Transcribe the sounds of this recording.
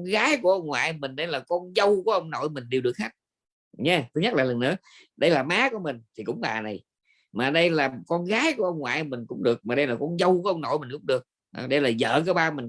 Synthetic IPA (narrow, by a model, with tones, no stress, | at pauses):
nɣaː˨˦jku˨˧˩əʔə˧wŋ͡mŋwa̰ː˧˨jmï˨˩ŋ̟ɗə˧jlaː˨˩kɔ˧nzə˧wku˨˦əʔə˧wŋ͡mno̰˧˨jmï˨˩ŋ̟ɗi˨˩wɨ˨˩ək̚haː˦˥t̚ | ɲɛ˧t̪ʰɨ˨˦ɲə˦˥t̚laː˨˩lə˨˩ŋnɨ̰˧˥˦ | ɗə˧jlaː˨˩maː˨˦ku˨˧˦əmï˨˩ŋ̟t̪ʰi˨˩kʊ̰˧˥ŋ͡mɓa̰ː˨˩na˨˩j | maː˨˩ɗə˧jlaː˨˩kɔ˧nɣaː˨˦jku˧˩˦ʔə˧wŋ͡mŋwa̰ː˧˨jmï˨˩ŋ̟kʊ̰˧˥˦ŋ͡mɗɨ˨˩ək̚maː˨˩ɗə˧jlaː˨˩kɔ˧nzə˧wkʔə˧wŋ͡mno̰˧˨jmi˨˩ŋ̟kʊ̰˧˦ŋ͡mɗɨ˨˩ək̚ | ʔɗə˧jlaː˨˩zə̰ː˧˨k̬aː˨˦ɓaː˧mi˨˩ŋ